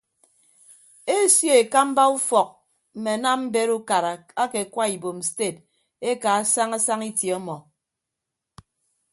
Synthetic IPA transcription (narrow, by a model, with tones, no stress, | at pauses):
e˦˨sje˦e˨ka˦m̩˦ba˦u˦fɔ˨k̚ | m̩˨me˨na˦mm̩˦be˦ɾu˦ka˨ɾa˨ | a˦ke˨kʷwa˦i˨bo˨m̩˨ste˦˨t | e˦ka˨a˦sa˦ŋa˦sa˦ŋi˦tje˨ɔ˦mɔ˨